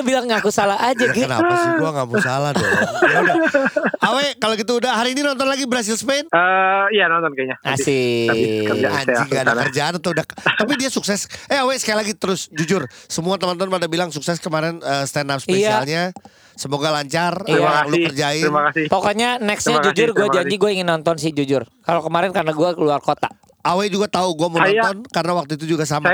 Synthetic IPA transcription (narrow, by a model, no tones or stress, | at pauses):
bilaŋːakusalaad͡ʒaaɡikəna̰asəmuaŋakusalahdoaudaawɛkaloɡit̪̬uudaɦaɾiːninɔnt̪̬ɔnlaɡibəɾas̬ɪlsə̥penəijanɔnt̪ɔnkɛɲaassiaikəd͡ʒaaŋɡadakərd͡ʒaːnat̪oudat̪ap̬idiasuksɛsʔɛawɛsə̥kajlaɡit̪əɾʊsd͡ʒud͡ʒʊrsəmuat̪əmɔnt̪ɔnmadabilaŋsuksɛskəmaɾɛnəst̪ɛnap̚sejsaialɲa | səmoɡalaɲt͡ʃariaalukkərd͡ʒaɪɾimakasɪpɔkɔɲanɛksɲad͡ʒud͡ʒʊrɡuad͡ʒadiɡuaiŋɪnːɔnt̪ɔnsɪhd͡ʒud͡ʒʊrkalokəmaɾɛnkarnaɡuakəluarkot̪a̰ | awɛd͡ʒuɡat̪auɡuamənɔnt̪ɔnkarənawak̚t̪uit̪̬ud͡ʒuɡas̬ama